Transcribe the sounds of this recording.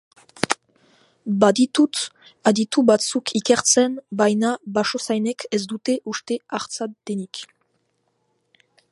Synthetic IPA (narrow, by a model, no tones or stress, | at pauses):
bad̪it̪ut̪ | ad̪it̪ubat͡sukʰikeɾt͡senbajnabaʃosajnekʰez̬d̪ut̪eʔuʃt̪eaʁt͡sad̪enik